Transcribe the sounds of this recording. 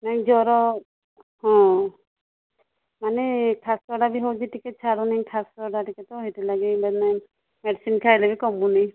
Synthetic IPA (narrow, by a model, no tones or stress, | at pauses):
nad͡ʒɔɾɔ | hɔ̃ | manɛkʰasɔɖabiɦɔwd͡ʒʰiʈikɛt̪̚t͡ʃʰaɽunikʰasɔɾɖaʈikɛt̪ɔɦetilaɡibana | mɛɖisinkʰajlɛbikɔmbuni